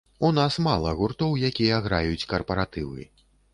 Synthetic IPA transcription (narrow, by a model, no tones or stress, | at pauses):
unasmalˠɐɣurt̪ɔwjakʲijɐɣɾajut͡sʲkɐrpɐɾat̪ɨvɨ̰